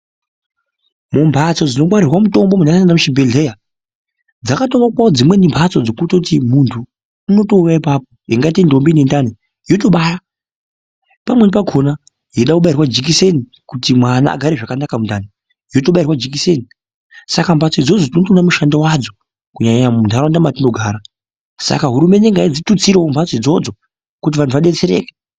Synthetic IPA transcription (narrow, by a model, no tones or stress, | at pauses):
mumbʱat͡so̞d͡zino̞mwaɾirwamuto̞mbomunanaendamuʃibʱeɮeja | d͡zakatomakwaod͡zimwe̞nimbʱat͡so̞d͡zokutoutimuntʰuː | no̞to̞ujaipapoeŋɡaitendo̞mbinendani | ɦioto̞ɓaja | pamwe̞nipaɡʱo̞na | ɦeɗakuɓairwad͡ʒik̬ise̞ni | kutimwana̰a̰ɡʱaɾeʐakanakamundane | ɦiotoɓairwad͡ʒik̬iseni | sakambʱat͡soid͡zo̞d͡zotnotonamuʃandawad͡zo̞ | kuɲaɲamundʱaɾandamatino̞ɡʱaːɾa | sa̰kaɦuɾume̞neŋɡaid͡zitut͡siɾewombʰʱat͡soid͡zo̞d͡zo̞ | kut̬iʋantʰuʋaɗe̞t͡se̞ɾḛːke̥